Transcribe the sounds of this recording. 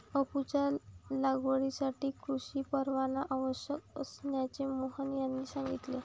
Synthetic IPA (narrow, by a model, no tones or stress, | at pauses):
əput͡ɕallaɡʋəɽisaʈiːkɾuɕiːpəɾʋanaʔaʋəɕjəkəsnjat͡ɕemoɦənjanːiːsãŋɡit̪le